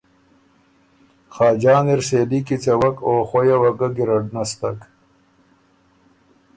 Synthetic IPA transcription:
xaːd͡ʑaːneɾseːlikit͡sewɐkoːxojawɐɡaɡiɾɐɖnɐst̪ɐk

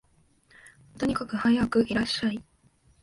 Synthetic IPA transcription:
t̪o̞ɲ̟ikakɯ̟hajakɯ̟ʔiɾaɕːai

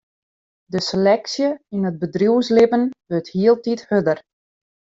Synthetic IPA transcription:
dəselɛksjəinəd̚bədrjuwslɪpənʋøthiəlˠtithødər

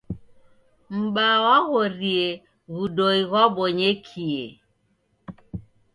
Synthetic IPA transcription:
m̩ɓawaɣoɾie | ɣudoiɣɔboɲekʰie

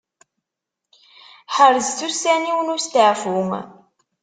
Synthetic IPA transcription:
ħəɾəzθusːæniwənʊst̪əʕfuŋ

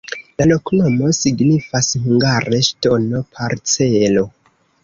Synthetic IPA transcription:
lalo̞knomo̞siɡnifashuŋɡaɾʔe̞ʃto̞no̞pʰaɾt͡selo̞

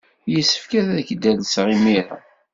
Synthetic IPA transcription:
jəsːə̥fkæðæðəçd̪ælsʁimiɾæ̰

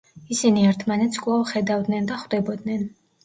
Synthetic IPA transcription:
isiniɛɾt̪ʰmanɛt̪sʰkʼlˠavχɛd̪avd̪nɛnd̪aχwd̪ɛbɔd̪nɛn

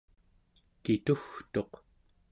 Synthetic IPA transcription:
kit̪uxt̪o̞q

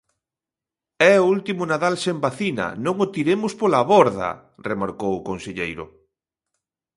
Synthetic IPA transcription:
ɛoult̪imʊnaðalsembaθinɐ̰nõŋot̪iɾemʊspolaβɔɾðɐ̰ | remaɾkowʊkonseʎejɾʊ̰

